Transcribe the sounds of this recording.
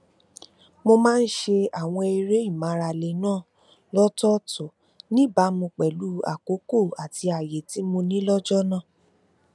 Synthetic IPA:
mo˧mãː˦˧n̩˦ʃe˧a˨w̃ɔ̃˧e˧ɾe˦i˦˨mã˨˦ɾa˧˨le˨nãː˦˨ | lɔ˦tɔ˦tɔ˨ | nĩ˦ba˨˦mũ˧k͡pɛ˨lu˨˦a̰˦˨ko˨˦ko˦˨a˨ti˧a˨je˨ti˨˦mõ˧nĩ˦lɔ˦d͡ʒɔ˦nã˦˨

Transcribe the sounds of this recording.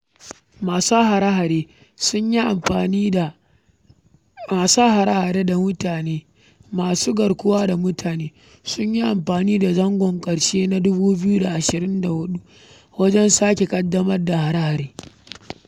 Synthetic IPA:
maː˨sa˦ɦa˨ɾa˦ɦa˨ɾeː˦ | sʊ˦ɲji˦ʔa˨mɸaː˨ni˦˨ | aː˨saː˦ɦa˨ɾa˦ha˨ɾeː˦da˨mʊ˦taː˨neː˦ | maː˨suː˦ɡɐ˨ɽkʷʊ˦waː˦da˨mʊ˦tʰaː˨neː˦ | sʊ˦ɲji˦ʔa˨mɸaː˨niː˦da˨zɐ˦ŋɡʷɔ˨ŋkʼɐ˨ɽʃeː˦na˦dʊ˦buː˦bɪ˦ju˦da˨ʔa˨ʃɪ˨ɾɪ˦nda˨hʊ˦ɗu˦ | wɐ˦d͡ʒɛ˦nsaː˦kʲe˨kʼɐ˦dːɐ˦mɐ˦rda˨ha˨ɾa˦ha˨ɾeː˦

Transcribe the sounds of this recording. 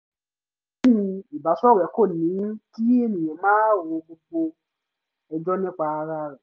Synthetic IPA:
i˨ba˨˦sɔ˦˨ɾɛ˨˦ko˦˨nĩ˨˦n˦ki˦e˦nĩ˨ɛ̃˨˦mãː˦˨wo˧ɡ͡bo˧ɡ͡bo˧ | ɛ˧d͡ʒɔ˦nɛ̃˦k͡pa˧ɾa˧˦ɾɛ˨

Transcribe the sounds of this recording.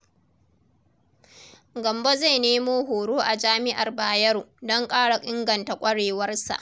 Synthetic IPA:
ɡɐ˨mbo˦za˦˨jneː˦moː˦ɦoː˨ɽuː˦ʔa˨d͡ʒaː˦mɪ˦ʔa˨rbaː˨jɐ˦ɾu˨dɔ˦ŋkʼaː˦ɽa˨ʔʼɪ˦ŋɡɐ˨nta˨kʷʼɐ˦ɽeː˨wɐ˦rsa̰˨ʔ

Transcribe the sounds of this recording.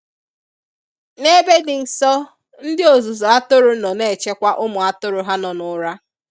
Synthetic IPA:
ne˦be˦dɪ˨n̩˨sɔ˦ | n̩˦dɪ˦o˨zu˨zɔ˨a˦tʊ˦ɾʊ˨˦nɔ˨ne˦˨t͡ʃe˦kʷa˦ʔʊ˦mʊ˨a˦tʊ˦ɾʊ˨ɦa˦nɔ˨nʊ˦ɾa˦

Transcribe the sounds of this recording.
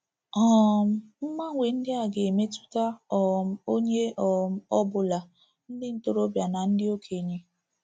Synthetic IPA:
ɔ˦˨m̩˦m̩˦ma˦ŋʷe˨n̩˦dɪ˦a˨ɡe˨e˨me˦tu̥˦ta˦ɔ˨m̩˦o˦ɲe˦ɔ˨m̩˦ɔ˦bʊ˨la˨ | n̩˦dɪ˦n̩˦to˦ɾo˦bja˨na˨n̩˦dɪ˦o˦kʰe˨ɲe˨

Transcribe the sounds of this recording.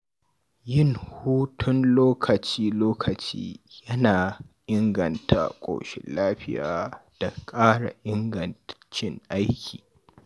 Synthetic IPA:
jɪ˦ŋhuː˦tʰʊ˦nloː˦kʰɐ˨t͡ʃiː˦loː˦kʰɐ˨t͡ʃḭː˦jɐ˦naː˨ʔɪ˦ŋɡɐ˨ntʰa̰˦kʷʼo̰ː˨ʃɪ̰˦nlaː˦ɸɪ˦ja̰ː˨d̥a˨kʼaː˦ɽa̰˨ʔɪ˦ŋɡɐ˨nt͡ʃɪ˦ŋʔa˦jkʲʰi̥̰ː˨

